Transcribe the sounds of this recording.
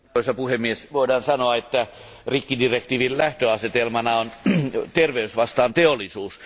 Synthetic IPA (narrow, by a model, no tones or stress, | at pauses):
oˑisɑpuhemːiesʋoidɑːnsɑnoɑet̪ːæ | rikːidirek̚t̪iːʋillæht̪øɑset̪elmɑnɑont̪erʋeysʋɑst̪ɑːnt̪eolːˑisuːs